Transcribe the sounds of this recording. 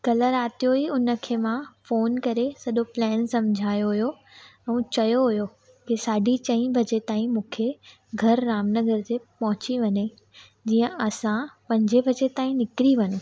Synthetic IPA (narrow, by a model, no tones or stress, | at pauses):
kɐləɾaːt̪ijoiʊnə̆kʰeːmãfoːnkɐɾesɐɗoplɛːnsɐmd͡ʑʱaːjoɦʊjo | ɛ̃ːt͡ɕɐjoɦʊjo | kisaːɖʱit͡ɕɐ̃ĩbʱɐd͡ʑet̪aːĩmũːkʰe | ɡʱɐɾːaːmnəɡəɾt̪epɐɦʊ̃t͡ɕiʋɐɲe | d͡ʑiːə̃ʔɐsãpɐ̃ɲd͡ʑebʱɐd͡ʑet̪aːĩnɪkɾiʋɐnũ